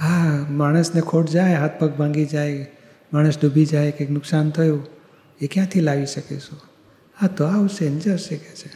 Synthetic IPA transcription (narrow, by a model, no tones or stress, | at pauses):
ɦamaɽ̃əsnekʰoʈd͡ʒajɦat̪̚ʰpək̚bʱãŋɡid͡ʒaj | maɽ̃əsɖ̪ʱubʱid͡ʒajkeknʊksant̪ʰəjũ | ekjãt̪ʰilaʋiʃəkeʃũ | at̪oaʋuʃend͡ʒəɾʃeket͡ʃʰe